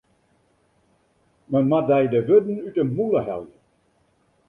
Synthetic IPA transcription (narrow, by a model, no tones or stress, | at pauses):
məmadɛjdəvødn̩ytəmuləhɛ̰lˠjə